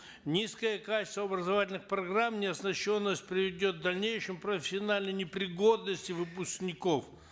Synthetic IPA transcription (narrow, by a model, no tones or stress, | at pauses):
nʲiskəjəkat͡ʃɪ̥st̪vəɐbɾəzɐvatʲɪlʲnɨxpɾɐɡramnʲɪɐsnɐɕːo̞nːəsʲt̚ʲpɾʲɪvʲɪdʲo̞t̪̚d̪ɐlʲnʲejʂɨmpɾəfʲɪ̥sʲɪɐnalʲnəjnʲɪpɾʲɪɡo̞d̪nəsʲtʲɪvɨpʊsknʲɪko̞f